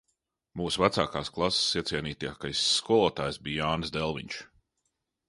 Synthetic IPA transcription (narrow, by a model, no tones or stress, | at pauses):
muːsuvæt̪saːkaːsklˠassːiɛt̪sʲiɛniːt̪ijakajsːkuɔlˠɔːt̪aːjsbiːaːnsd̪ɛlˠvḭɲt͡ʃ